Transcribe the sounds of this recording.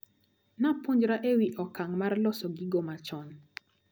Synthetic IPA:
napoɲd͡ʒɾaʔewiʔɔkaŋmarlɔsɔɡiɡomat͡ʃɔn

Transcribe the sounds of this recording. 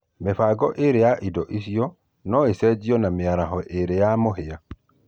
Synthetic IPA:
mefaɡɔʔeɾejaʔidɔʔisiɔ | nɔesɛd͡ʒiɔnameaɾaɦɔʔeɾejamoɦea

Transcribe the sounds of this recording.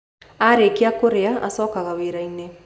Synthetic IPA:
aɾeːkeakoɾeaʔa̰sɔːkaɣaweɾaine

